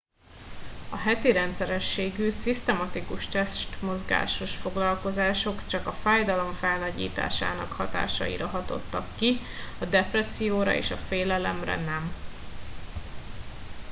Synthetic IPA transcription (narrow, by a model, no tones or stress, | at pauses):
ɒɦɛt̪iɾɛnt̪sɛɾɛʃːeːɡyːsist̪ɛmɒt̪ikuʃt̪ɛʃt̪mo̞zɡa̰ːʃo̞ʃfo̞ɡlɒlko̞zaːʃo̞kt͡ʃɒkɒfaːjd̪ɒlo̞ɱfɛlnɒɟḭːt̪a̰ːʃa̰ːnɒ̰khɒt̪a̰ːʃɒ̰jḭɾɒɦɒt̪o̞̰t̪ːɒkːiɒd̪ɛprɛsijoːɾɒ̰ḛːʃɒfeːlɛlɛmrɛ̰nɛm